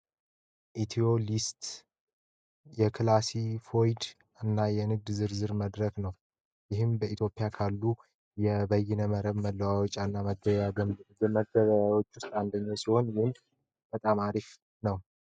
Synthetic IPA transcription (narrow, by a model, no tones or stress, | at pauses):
ʔit̪ʰio̞list̪ | jɛkʰɨlasifo̞jd̪ | ɨnːajɛnɨɡ̚d̪zɨɾzɨɾməd̪ɾəknəw | jɪɦɨmbəʔit̪jo̞pʼːijakʰalːu | jɛbəjːɪnəməɾəβməlːəwawot͡ʃʼanːaməɡəaməɡəβəawo̞t͡ʃːʊst̪ʼand̪əɲːasiho̞nwɨnd̪ | b̥ət̪ʼamaɾif | nəw